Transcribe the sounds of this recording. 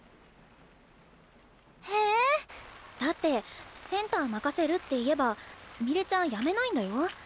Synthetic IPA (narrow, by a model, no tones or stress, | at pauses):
heː | d̪̥at̪ːe̞sẽ̞nt̪aːmakase̞ɾɯ̟t̪ːe̞ie̞basɨmʲiɾet͡ɕãɰ̃jame̞naĩnd̪ajo̞